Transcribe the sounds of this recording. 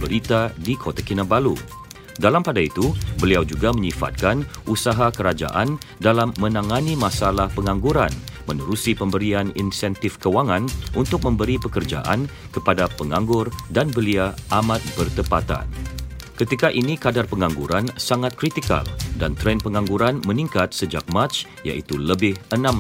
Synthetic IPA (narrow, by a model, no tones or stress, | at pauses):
bəɾit̪adikʰot̪akinabalu | dalampadait̪ubəliawd͡ʒuɡaməɲifa̰t̪̚kanʔusaɦakəɾad͡ʒa̰ʔandalamːə̃nãŋanimasalahpəŋaŋɡuɾanmənuɾusipəmbəɾianḭnsɛnt̪ɪfkəwaŋãnʔunt̪ʊk̚mə̃mbəɾipəkərd͡ʒa̰ʔa̰n | kəpadapəŋãŋɡʊrdanbəliaʔamãt̪̚bərt̪əpat̪a̰n | kət̪ikaʔinikadarpəŋãŋɡuɾansaŋat̪̚kɾit̪ika̰ldant̪ɾɛnpəŋãŋɡuɾanmə̃niŋkat̪̚səd͡ʒak̚mat̪t͡ʃ | ja̰ʔḭt̪uləbɪhənãm